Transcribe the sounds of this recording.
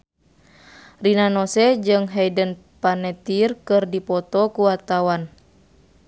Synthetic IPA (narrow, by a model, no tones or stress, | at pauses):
rinanɔsɛd͡ʒɨŋɦɛdən | panɛt̪irkɨrdipɔt̪ɔkuwat̪awan